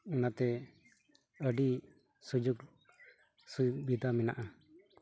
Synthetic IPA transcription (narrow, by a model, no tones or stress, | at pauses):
unat̪ɛ | əɖi | sud͡ʒuɡ | subid̪amɛna̰ʔa